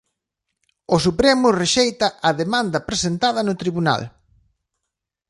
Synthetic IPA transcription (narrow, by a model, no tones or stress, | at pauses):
ʊsupɾemʊreʃejt̪ɐʔɐðemãnd̪ɐpɾesent̪að̞ɐnʊt̪ɾiβuna̰l